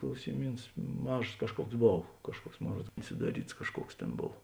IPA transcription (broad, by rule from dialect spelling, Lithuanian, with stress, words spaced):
klˠɐʊsʲɪˈmʲiːns ˈmɑːʒoːs ˈkɑːʃˌkuɔks ˈboːw ˈkɑːʃˌkuɔks ˈmoːn ˈruɔts sʊdɐˈrʲiːts ˈkɑːʃˌkuɔks ˈtʲeːn ˈboːw